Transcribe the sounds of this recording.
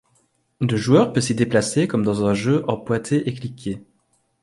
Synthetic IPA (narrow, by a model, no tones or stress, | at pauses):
d̪əʒuœʁpøsid̪eplasekɔmd̪ɑ̃zɛ̃ʒøʔɑ̃pwat̪ʰeʔeklikʲʰe